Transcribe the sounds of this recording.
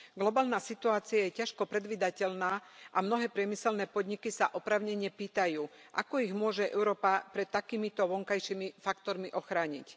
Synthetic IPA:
ɡlɔbaːlnaːsit̪uaːt͡siajɛcaʃkɔpɾɛd̪ʋiːd̪acɛlnaːʔamnɔɦɛːpɾɪɛmisɛlnɛːpɔd̪ɲikisaʔɔpɾaːʊɲɛɲɛpiːt̪ajuː | ʔa̰kɔiɣmʊɔʒɛʔɛ̰ʊɾɔːpapɾɛt̪ːakiːmit̪ɔʋɔŋkajʃimifakt̪ɔɾmiʔɔxɾaːɲḭc

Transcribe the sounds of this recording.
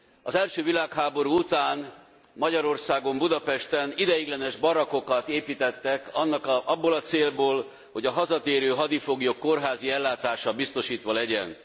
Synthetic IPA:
ɒzɛlʃøːvilaːkhaːbo̞ɾuːut̪aːn | mɒɟɒɾo̞rsaːɡo̞mbud̪ɒpɛʃt̪ɛnid̪ɛjiɡlɛnɛʒbɒɾɒko̞kɒt̪eːpiːt̪ɛt̪ːɛkɒnːɒkɒbːolɒt̪seːlboːl | ho̞ɟɒɦɒzɒt̪eːɾøːɦɒd̪ifoɡijokːo̞rɦaːziɛlːaːt̪aːʃɒbist̪o̞ʃiːt̪ʋɒlɛɟɛ̰n

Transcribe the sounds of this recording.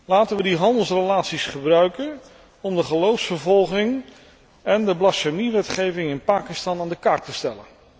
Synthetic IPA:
laːtənʋədiɦɑndəlˠsrelaːtsisχəbrœɥkən | ɔmdəχəlowfsfəɹvɔlˠχɪŋ | ɛndəblɑsamiʋɛtχejvɪŋɪnpaːkɪstɑnaːndəkaɹtəstɛlə̰n

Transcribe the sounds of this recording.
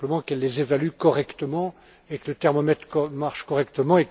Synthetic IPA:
pləmɑ̃kɛlːezevalykɔʁɛkt̪əmɑ̃ | ekələt̪ɛʁmɔmɛt̪χkmaʁʃkɔʁɛkt̪əmɑ̃ek

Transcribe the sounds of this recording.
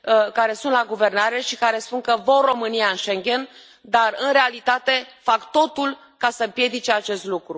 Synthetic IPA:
kaɾe̞sunt̪laɡuve̞rnaɾeʃikaɾe̞spunŋkəvorro̞mɨnijaɨnʃe̞ŋɡʲe̞n | d̪arɨnɾe̞alit̪at̪e̞fakt̪o̞t̪ul | kasəmpje̞d̪it͡ʃeat͡ʃe̞st̪lukɾu

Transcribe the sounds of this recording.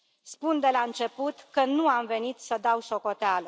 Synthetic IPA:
spund̪e̞laɨnt͡ʃe̞put̪kənuamve̞nit̪səd̪awso̞ko̞t̪ealə

